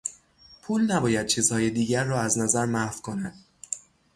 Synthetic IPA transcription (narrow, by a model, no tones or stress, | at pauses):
pʰuːlnæbɒːjæd̪̚t͡ʃʰiːz̥hɒːjed̪iːɟæɾːɒːæznæzæɾmæfkʰonæd̪̥̚